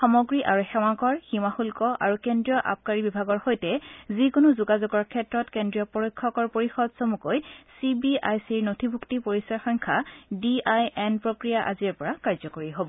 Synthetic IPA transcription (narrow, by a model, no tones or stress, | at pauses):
xɔmɔɡɹiʔaɹuxɛw̃akɔɹximaxulkɔʔa̰ɹukendɹijɔʔa̰p̚kaɹibibʱaɡɔɹxojtɛzikʊnozuɡazoɡɔɹkʰɛtɹɔtkendɹijɔpɔɹojkʰːɔkɔɹpoɹixɔdsomukojsibiajsiɹnotʰibʱuktipoɹisaxɔŋkʰadiajɛnpɹokɹijaʔa̰ziɹpɔɹakaɹzɔkoɹiɦobɔ